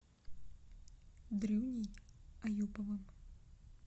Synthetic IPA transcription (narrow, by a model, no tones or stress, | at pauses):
d̪ɾɨwnʲijajupɐvɨm